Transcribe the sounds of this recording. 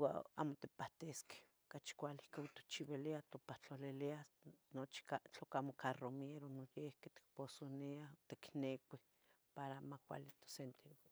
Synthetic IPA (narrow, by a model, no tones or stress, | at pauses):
wa̰a̰mot̪epaht̪eske̥okat͡ʃkʷalikaut̪o̥t͡ʃiβeliat̪opaht͡ɬolelianot͡ʃi̥kat͡ɬokamokʰaromeɾonojehket̪i̥k̚posoniat̪eknekʷi | paɾamakʷa̰lit̪o̥sent̪eɾ